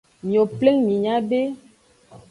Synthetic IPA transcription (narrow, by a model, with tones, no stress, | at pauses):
mĩ˨o˨ple˦ŋmĩ˨ɲã˦be˦